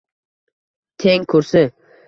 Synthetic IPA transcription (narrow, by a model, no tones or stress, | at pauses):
t̪ʰeŋkʰɵɾsɪ